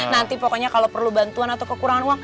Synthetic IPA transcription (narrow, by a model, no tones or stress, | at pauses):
nant̪ipokɔɲakalopərlubant̪uanat̪aukəkuɾaŋanwaŋ